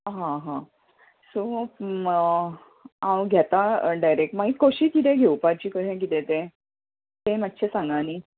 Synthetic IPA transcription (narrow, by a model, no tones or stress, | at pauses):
ɦãɦã | so | ãwɡʱɛt̪aɖajɾek̚ʈmaɦikoɕiːk̪it̪ẽɡʱewpaɾt͡ɕiːkəɾẽk̬it̪ẽt̪ẽ | t̪ẽmat̪ːɕʰesãŋɡaniː